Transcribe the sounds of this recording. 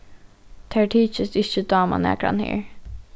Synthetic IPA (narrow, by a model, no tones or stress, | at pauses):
t̪ʰæːɹʈʰiːt͡ʃəsɪɕəd̪ɑːmɑ̰nɛ̰kɾɑ̰nhḛːɹ